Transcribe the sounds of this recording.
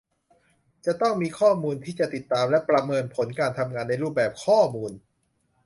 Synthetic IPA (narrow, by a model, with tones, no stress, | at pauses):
t͡ɕa˨˩t̪ɔ˥˩ŋmiː˧kʰɔː˥˩muː˧nt̪ʰiː˥˩t͡ɕa˨˩t̪i˨˩t̪ːaː˧mlɛ˦˥pɾa˧mɤː˧npʰo˩˦nkaː˧nt̪ʰa˧mŋaː˧nːa˧jɾuː˥˩p̚bɛː˨˩p̚kʰɔː˥˩muː˧n